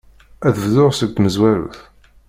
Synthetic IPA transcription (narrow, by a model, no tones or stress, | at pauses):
æθəvðʊʁsəɡ̚t̪məzwæɾṵθ